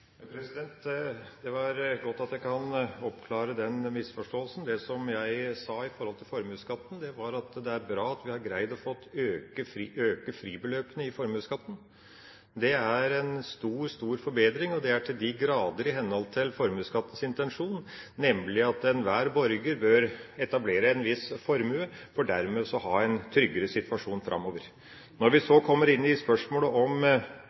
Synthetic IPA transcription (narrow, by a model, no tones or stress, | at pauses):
pʰɾɛsɪd̪ɛnt̪d̪ɛʋɑɾɡɔt̪ːɑt̪jæɪkʰɑnɔpkʰlɑːɾəd̪ɛnmɪsfɔʂʈoːəlsn̩d̪ɛsɔmjæɪsɑːɪfɔɾhɔlt̪ʰɪlfɔɾmʉːskɑt̪ːənd̪ɛʋɑɾɑt̪d̪ɛæɾbɾɑːɑt̪ʋɪhɑɾɡɾæɪd̪ɔfɔt̪ːøːkəfɾiʔøːkəfɾiːbəløːpənəɪfɔɾmʉːskɑt̪ːən̩ | d̪ɛæɾɛnst̪uːɾst̪uːɾfɔɾbeːd̪ɾɪŋɔd̪ɛæʈʰɪld̪ɪɡɾɑːd̪əɾɪɦɛnːhɔlt̪ʰɪlfɔɾmʉskɑt̪ːən̩sɪnt̪ɛnʂuːn | nɛmlɪɑt̪ɛnʋæːɾbɔɾɡəɾbøːɾɛt̪ɑbleːɾəɛnʋɪsfɔɾmʉəfɔɖæɾmɛsɔhɑːɛnt̪ʰɾʏɡəɾəsɪt̪ʋɑʂuːnfɾʔɑ̰mːoːʋəɾ | nɔɾʋɪsɔkʰɔmːəɾɪnːɪspœʂmoːləʔɔm